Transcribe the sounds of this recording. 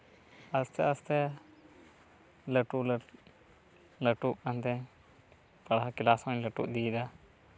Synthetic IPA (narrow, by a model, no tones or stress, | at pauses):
ɐst̪ɛəst̪ɛ | ləʈul | ləʈuʔkant̪ɛ̃ | pɐɽakilasɔ̃ɲləʈṵʔd̪id̪a